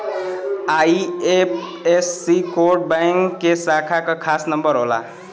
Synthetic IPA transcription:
aiep̚ʰesːikoɾʈ̚bajŋkːesakʰakʌkʰasnəmbəɾɦola̰

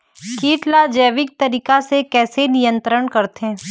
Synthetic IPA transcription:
kiːʈlad͡ʒɛːʋɪk̚t̪ɐɾiːkasekɛːsenijə̃nt̪ɾəɳkɐɾt̪eɦɛ̃ː

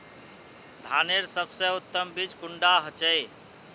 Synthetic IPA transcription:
d̪ʱaneɾsəbsẽut̪ːəmbid͡ʒkuɳɖaɦət͡ʃəj

